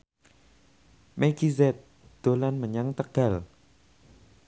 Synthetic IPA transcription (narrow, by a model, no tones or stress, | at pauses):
meɡizɛt̪̚ | d̪̥o̤lanməɲaŋt̪əɡ̥a̤l